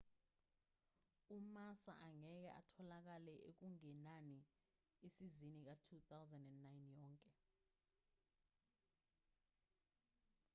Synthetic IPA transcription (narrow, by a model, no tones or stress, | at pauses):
umasa̰ʔaŋɛk̬ɛ̰ʔa̰tʰɔlak̬alɛʔek̬uŋɛnani | esizinik̬atʰuθawzɛndɛndnajnjɔːŋkʼɛ